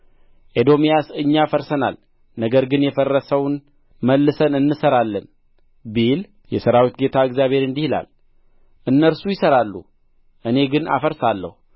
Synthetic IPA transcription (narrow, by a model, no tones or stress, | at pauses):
ʔed̪o̞mijasɨɲːafəɾsəna̰l | nəɡəɾɡɨnjɛfərːəsəwn | məlːɨsənɨnːɨsəɾalːən | bil | jɛsəɾawit̪ɡe̞t̪ʰaɨɡzjaβʱhe̞ɾɨnd̪ihla̰l | ʔɨnːəɾsujɪsəɾalːṵ | ʔɨne̞ɡɨna̰fəɾsalːə̰hu